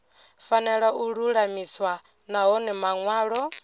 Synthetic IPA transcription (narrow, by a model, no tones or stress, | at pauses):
fanɛɺaʔuɺuɺamiswa | naɦɔnɛmaŋwaːɺɔ